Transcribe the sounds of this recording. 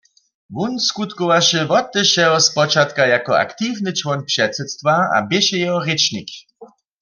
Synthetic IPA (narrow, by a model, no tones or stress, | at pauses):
vunskut̪kɔvaʃɛvɔt̪ːɛʃɛɦɔspɔt͡ʃat̪kajakɔa̰kt̪ivnɨt͡ʃwɔnpʂɛtsɛt̪st̪vaa̰bɪʃɛjɛɦɔʁet͡ʃnik